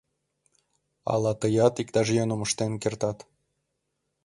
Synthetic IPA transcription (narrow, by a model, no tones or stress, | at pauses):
ɑ̰lɑt̪ɤjɑt̪ikt̪ɑʒjonoməʃt̪enkert̪ɑt̪